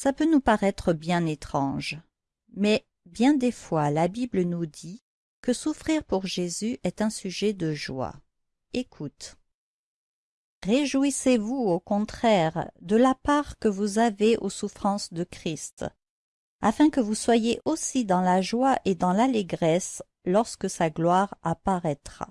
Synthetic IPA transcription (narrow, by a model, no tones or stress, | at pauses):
sapønupaʁɛt̪χəbjɛ̃net̪χɑ̃ʒ | mɛ | bjɛ̃d̪efwalabiblənud̪i | kəsufχiʁpuʁʒezyʔɛt̪ɛ̃syʒɛd̪əʒwa̰ | ekʰut̪ | ʁeʒuisevuokɔ̃t̪χɛʁd̪əlapaʁkəvuzaveʔosufχɑ̃sd̪əkχist̪ | a̰fɛ̃kəvuswajeʔosid̪ɑ̃laʒwaʔed̪ɑ̃laleɡʁɛs | lɔʁskəsaɡlwaʁapaʁɛt̪χa̰